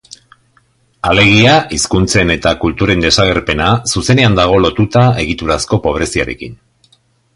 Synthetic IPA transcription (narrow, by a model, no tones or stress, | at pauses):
ale̞ɣ̞iaʔiskunt͡se̞ne̞t̪akult̪uɾe̞nd̪e̞saɣ̞e̞ɾpe̞nasuse̞ne̞and̪aɣ̞o̞lo̞t̪ut̪ae̞ɣit̪uɾasko̞po̞β̞ɾe̞siaɾe̞̰kin